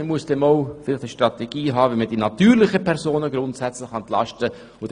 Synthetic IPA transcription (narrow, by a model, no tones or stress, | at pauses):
əmuəsd̥ɛmoʊfɪlɪxtəʃtʁɑtɛɡ̥iːɦɑːʋɛməd̥inɑtyːɾlɪχəpʰɛɾzoːnəɡɾʊntsɛt͡slɪχɛnt̪lɑ̰ʃtə | ʊd̥